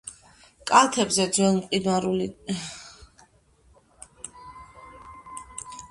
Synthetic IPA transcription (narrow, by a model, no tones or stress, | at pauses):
kʼalˠt̪ʰɛbzɛd̪zwɛlˠmqʼinaɾuli